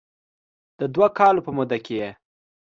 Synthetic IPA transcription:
d̪̥əd̪wakɑlopəmʊd̪akeje

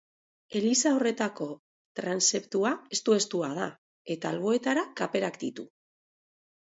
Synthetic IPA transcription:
e̞lisao̞re̞t̪ako̞ | t̪ɾanse̞pt̪uae̞st̪ue̞st̪uað̞a | e̞t̪aːlβ̞o̞e̞t̪aɾakape̞ɾakd̪it̪u

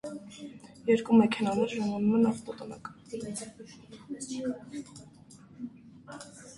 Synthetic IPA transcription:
jɛɾkumɛkʰɛnɑnɛɾʒɑmɑnumɛnɑft̪ɔt̪ɔnɑ̰k̪

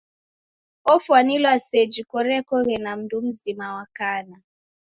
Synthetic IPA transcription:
ɔfwanilwased͡ʒikɔɾɛkɔɣɛnam̩dum̩zimawakana

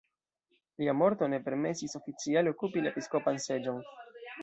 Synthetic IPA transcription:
liamo̞ɾt̪one̞pe̞ɾme̞siso̞fit͡sialeo̞kupilaepisko̞panse̞d͡ʒon

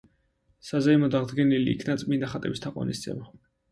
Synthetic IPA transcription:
sazaimɔd̪aʁd̪ɡɛnilḭːkʰnat̪sʼmind̪aχat̪ʼɛbist̪ʰaqʼwa̰nḭst̪sʰɛ̰ma

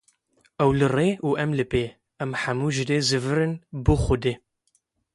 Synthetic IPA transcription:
ɛwlɨreːuːʔɛmlɨpeː | ɛmħamuːʒɨd̪eːzɨvɨɾɨnbuxʊd̪eː

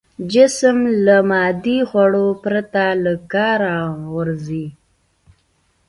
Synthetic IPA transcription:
d͡ʒɪsəmləmɑd̪ixwaɽopɾat̪aləkɑɾaɣəɾzi

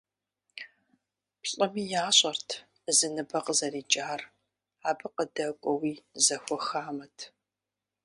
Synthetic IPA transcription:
pɬʼɐmiːjaːɕʼɐrtʰ | zɨnɨbɐqʼəzɐriːd͡ʒʼaːr | aːbɨqədɐkʷʼɔwiːzɐxʷɔxaːmɐtʰ

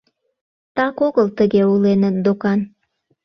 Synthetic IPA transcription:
t̪ɑkoɣəlt̪əɣeulenənd̪okɑn

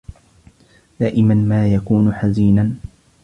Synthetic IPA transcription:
d̪̥aːʔɪmanmaːjakuːnʊħaziːna

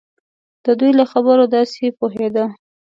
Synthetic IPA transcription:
d̪̥əd̪ujlaxabəɾod̪ɑsepoɦed̪a

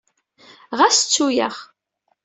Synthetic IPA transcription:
ʁæst͡sːujə̰ʁ

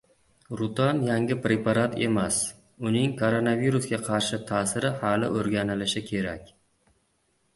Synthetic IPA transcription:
ɾʊt̪ʰɒnjaŋɡʲɪpɾe̞paɾat̪ʰe̞̰mas | ʊnɪŋkʰoɾonaviɾusɡʲaqʰɑɾʃɪt̪ʰaːsɪɾɪhalɪ̰ʔɵɾɡʲanɪlɪʃɪkʲʰe̞ɾakʲ

